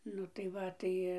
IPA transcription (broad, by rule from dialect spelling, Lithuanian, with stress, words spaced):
ˈnʊ tɐɪ ˈʋɐ ˈtɐɪ